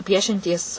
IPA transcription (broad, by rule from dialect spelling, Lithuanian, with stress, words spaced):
ˈpʲiɛʃʲɛnʲtʲiːs